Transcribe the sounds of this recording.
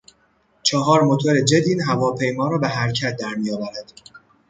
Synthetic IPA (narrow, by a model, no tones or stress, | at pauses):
t͡ʃʰɒːɦɒːɾmot̪ʰoɾe̞d͡ʒe̞d̪iːnɦævɒːpʰe̞jmɒːɾɒːbeɦæɾcʰæt̪̚ʰd̪æɾmijɒːvæɾæd̪̥